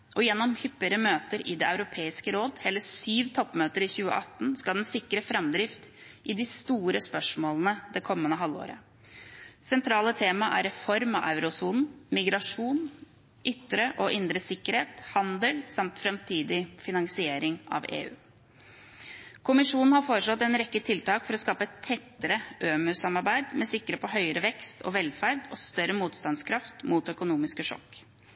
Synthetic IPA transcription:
ʔɔjɛnːɔmhʏpːəɾəmøːt̪əɾɪd̪eːaʉɾʊpʰeːɪskəɾoːd̪hɛːləsyːʋt̪ʰɔpːmøːt̪əɾɪçʉːə̰ʔɑt̪ːn̩skɑld̪ɛnsɪkːɾəfɾɑmd̪ɾɪft̪ | ʔɪd̪ɪst̪uːɾəspœʂmoːlənəd̪ɛkʰɔmːənəɦɑlːo̰ːɾə̰ | sɛnt̪ʰɾɑːlət̪ʰeːmɑʔæ̰ɾɛfɔɾmɑʔaʉɾʊsuːnn̩mɪɡɾɑʂuːn | ʔʏt̪ːɾəʔɔʔɪnd̪ɾəsɪkːəɾheːt̪hɑnd̪əlsɑmt̪fɾɛmt̪ʰiːd̪ɪfɪnɑŋsɪeːɾɪŋɑ̰ʋḛːʉ̰ː | kʰʊmɪʂuːnn̩hɑɾfoːɾəʂlɔt̪ːɛnɾɛkːət̪ʰɪlt̪ɑːkfɔɾɔskɑːpəɛt̪t̪ʰɛt̪ːəɾəʔøːmʉsɑmɑɾbæɪd̪mɛsɪkːəɾeːpɔɦœʏəɾəʋɛkst̪ʰɔ̰ʋɛlfæɾɖɔst̪œɾəmuːt̪st̪ɑnskʰɾɑft̪mut̪œkʊnuːmɪskəʂɔ̰kː

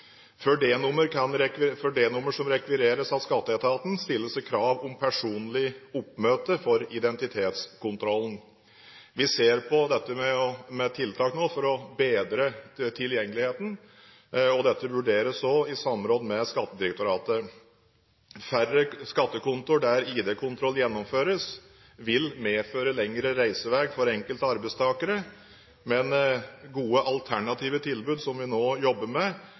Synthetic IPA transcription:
fœɖenʊmːəɾkʰɑnɾɛkʋɪfɔɖeːnʊmːəʂɔmɾɛkʋɪɾeːɾəsɑtskɑt̪ːəɛt̪ʰɑːt̪n̩st̪ɪlːəsəkʰɾɑːʋʊmpʰæʂuːnlɪʊpːmøːt̪əfɔɾɪd̪ɛnt̪ɪt̪ʰeːt̪skʊnt̪ʰɾɔlːn̩ | ʋɪseːɾpʰɔd̪ɛt̪ːəmɛɔmɛt̪ʰɪlt̪ʰɑːknoːfɔɾɔbeːd̪ɾət̪ʰɪljɛŋːəlɪheːt̪n̩ | ɔd̪ɛt̪ːəʋʉɖeːɾəsɔɪsɑmɾɔd̪mɛskɑt̪ːəd̪ɪɾɛk̚t̪ʊɾɑːt̪ə | færəskɑt̪ːəkʊnt̪ʊɖæɾiːd̪eːkʰʊnt̪ʰɾɔlːjɛnːɔmføːɾəs | ʋɪlmeːføːɾəlɛŋɾəɾæɪsəʋeːɡfɔɾɛŋkəlt̪ɑɾbɛɪst̪ʰɑːkəɾə | mɛnɡuːəʔɑlt̪ʰæɳɑt̪ʰiːʋət̪ʰɪlbʉːd̪sɔmʋɪnoːjɔbːəmɛ

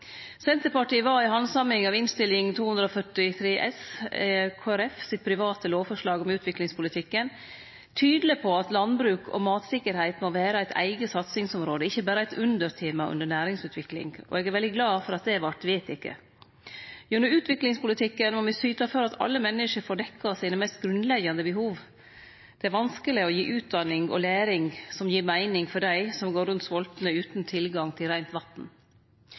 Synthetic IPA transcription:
sɛnt̪əɾpɑʈiːʋɑːɪɦɑnsɑmɪŋɑʋɪnst̪ɪlːɪŋt̪ʰuːhʉnd̪ɾɔːfœʈɪt̪ʰɾeːʔɛs | kʰoːæɾɛfsɪt̪̚pʰɾɪʋɑːt̪əloːʋfɔʂɭɑːɡɔmʉːt̪ʰʋɪklɪŋspʰʊlɪt̪ʰɪkːən | t̪ʰyːd̪ləpʰɔɑt̪lɑnbɾʉːkʰɔ̰mɑːt̪sɪkːəɾhæɪt̪moʋæːɾəæɪt̪ʰæ̰ɪɡəsɑt̪sɪŋsɔmɾoːd̪əɪçːəbæːɾəæɪt̪ʉnd̪əɾt̪ʰeːmɑʔʉ̰nd̪əɳæːɾɪŋsʉːt̪ʋɪklɪ̰ŋɔ̰ɛːɡæɾʋɛld̪ɪɡlɑːfɔɾɑt̪̚d̪ɛʋɑʈ̪ʋeːt̪ɪkːə̰ | jʉnəʉːt̪ʰʋɪklɪŋspʊlɪt̪ʰɪkːənmɔmɪsyːt̪ɑfɔɾɑt̪ʰɑ̰lːəmɛnːəʂəɾfoːɖɛkːɑsiːnəmæɪst̪̚ɡɾʉnlɛɡːɑnd̪əbəɦuːʋ | d̪̥ɛæɾʋɑnskəlɪɔjiːʔʉːt̪̚d̪ɑnɪŋɔ̰læːɾɪŋsɔmjiːɾmæɪnɪŋfɔɖæɪsɔmɡoːɾʉnt̪sʋɔlt̪nəʉːt̪n̩t̪ʰɪlɡɑŋt̪ʰɪlɾæɪnt̪ʋɑt̪n̩

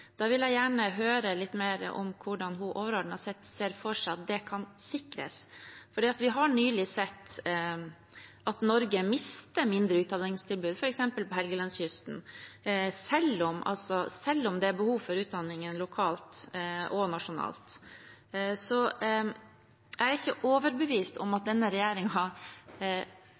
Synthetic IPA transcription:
d̪̥ɑːʋɪljæɪjæːɳəɦøːɾəlɪt̪ːmeːɾə̰ʔɔ̰mkʰʊɖɑnɦʊʔoːʋəɾoːɖɳ̩əhɑsɛt̪seːɾfɔʂɑt̪̚d̪ɛkʰɑnsɪkɾə̰sfɔɖiːɑt̪ʋɪɦɑɳyːlɪsɛt̪ː | ʔɑt̪nɔɾɡəmɪst̪əmɪnd̪ɾəʉːt̪̚d̪ɑnɪŋst̪ʰɪlbʉːd̪fɔɾɛksɛmpəlpɔɦɛlɡəlɑnsjʏst̪n̩ | sɛlːɔmʔɑ̰lsɔsɛlːɔmd̪ɛæɾbəhuːʋfɔɾʉːt̪̚d̪ɑnːɪŋənlʊkʰɑːlt̪ʔɔnɑʂʊnɑ̰ːlt̪ | sɔ | æɾɾɪçəʔoːʋəɾbəʋiːst̪ɔ̰mɑt̪̚d̪ɛnːəɾɛjæːɾɪŋɑ

